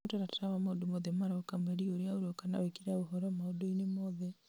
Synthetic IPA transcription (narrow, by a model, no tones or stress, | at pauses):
taɾatɾawamaodomoðɛmaɾokamɛɾioɾeaoɾokana̰wekiɾaoɦɔɾɔmaodoinemɔðɛ